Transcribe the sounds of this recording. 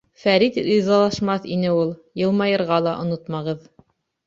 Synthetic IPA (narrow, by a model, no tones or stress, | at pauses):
fæɾit̪ɾizɑlˠɑʃmɑθinɘulˠjɤ̆lˠmɑjɤ̆ɾʁɑlˠɑʔŏnot̪mɑʁɤð